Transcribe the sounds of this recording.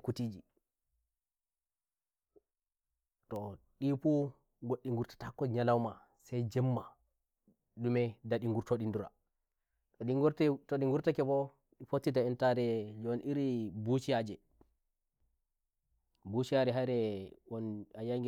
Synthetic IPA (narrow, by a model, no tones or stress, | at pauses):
kutiːd͡ʒi | tɔɗipu | ɡoɗːiŋɡuɾtḁtakːɔd͡ʒɲalawma | sɛjd͡ʒɛmːa | ɗumɛdaɗiŋɡuɾtoɗinduɾa̰ | ɔɗiŋɡuɾtɔɗiŋɡuɾtakɛbɔ | ɗifotːitaɛntaɾɛd͡ʒnʔiɾibuʃiad͡ʒɛ | buʃijaɾɛɦaɾɛwɔnajaŋɡ